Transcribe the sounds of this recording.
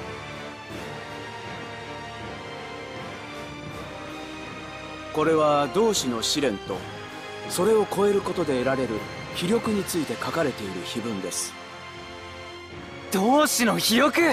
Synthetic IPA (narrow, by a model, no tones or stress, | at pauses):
ko̞ɾe̞β̞ad̪o̞ːɕino̞ɕiɾẽ̞nt̪o̞ | so̞ɾe̞o̞ko̞e̞ɾɯ̟ko̞t̪o̞d̪e̞ːɾaɾe̞ɾɯ̟ | çiɾʲo̞kɯ̟ɲ̟it͡sɨit̪e̞kakaɾe̞t̪e̞iɾɯ̟çibɯ̟̃nd̪e̞sɨ̥ | d̪̥oːɕinoçiɾʲo̞kɯ̟